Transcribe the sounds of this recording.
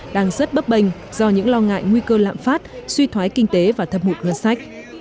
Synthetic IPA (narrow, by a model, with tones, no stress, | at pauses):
ɗaː˧ŋzə˦˥t̚ɓə˦˥p̚ɓə˧˩jŋ̟ | z̥ɔ˧ɲɨ̰˧˥ŋlɔ˧ŋa̰ː˧˨jŋwi˧kəː˧la̰ː˧˨mfaː˦˥t̚swi˧t̪ʰwaː˨˦jkï˧ŋ̟t̪e˨˦vaː˨˩t̪ʰə˨˩p̚mu˨˩ŋɨ˨˧˩nsa˦˥jk̟̚